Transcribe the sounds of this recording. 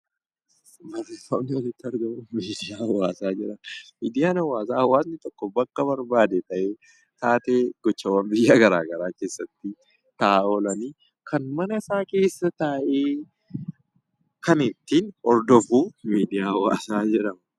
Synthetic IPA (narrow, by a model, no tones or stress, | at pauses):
bɐrefɐnɪɔlɪt̪ːɪɐɾɡɐmumiːd̪ɪjaːɐwːaːsaːd͡ʒɪɾɐnmiːd̪ɪjaːnɐwːaːsaːɐwaːsnɪt̪ʼɔkːɔbɐkːɐbɐɾbaːd̪et̪ɐʔeː | t̪aːt̪e̞ːɡɔt͡ʃːɐwɐnbɪjːaɡɐɾaːɡɐɾaːke̞ːsːɐt̪ːɪ | t̪ɐaːolɐniː | kʰɐnmɐnɐɪsaːke̞ːsːɐt̪aːʔeː | kɐnɪt̪ːinɔɾd̪ɔfuːmiːd̪ɪjaːɐwa̰ːsaːd͡ʒɪɾɐmɐ